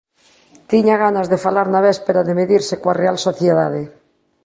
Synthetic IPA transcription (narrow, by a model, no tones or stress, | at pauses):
t̪iɲaɣanazðefalaɾnaβɛspeɾaðemeðiɾsekwarealsoθjeðað̞e